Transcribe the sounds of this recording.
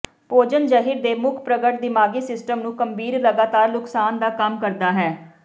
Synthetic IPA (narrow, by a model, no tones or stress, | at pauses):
poːd͡ʒənd͡ʒəɦiːɾd̪eːmʊkʰpɾəɡəʈ̚d̪ɪmaːɡiːsɪsʈəmnũːkəmbiːɾləɡaːt̪aːɾnʊksaːnd̪aːkəmkəɾd̪aːɦɛː